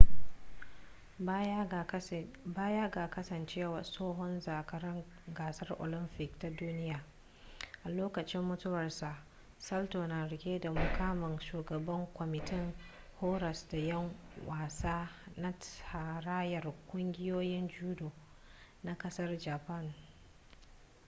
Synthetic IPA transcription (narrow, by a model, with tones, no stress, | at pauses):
baː˦ja˦ɡaː˨kɐ˦sɐ˨nt͡ʃeː˦wa˨soː˦ɦɔ˦nzaː˨kɐ˨ɾɪ˦ŋ | ɡaː˨sɐ˦rʔo̰˨lɪ˦mpɪ˨kta˦duː˦nɪ˦jaː˨ | ʔa˨loː˦kɐ˨t͡ʃɪ˦mːʊ˦tʊ˦wɐ˨rsa˨ʔ | sɐ˦ltoː˨naː˨ɽɪ˨kʲeː˦da˨mʊ˨kaː˦mɪ˨ŋʃuː˨ɡɐ˨bɐ˦ŋkʷɔ˨mɪ˨tɪ˦ŋ | hoː˦ɾɐ˨sda˨jɐ˦ŋwaː˨saː˦na˦tha˨ɾaː˦jɐ˨rkʷʊ˦ŋɡʲɪ˦joː˦jɪ˦nd͡ʒuː˦doː˨ | na˦kɐ˦sɐ˦rd͡ʒaː˨pɐ˦˨n